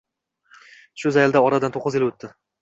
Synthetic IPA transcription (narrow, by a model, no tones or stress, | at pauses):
ʃʊzajald̪aɒɾad̪ant̪ʰoqːɨzɪlɵt̪ːɪ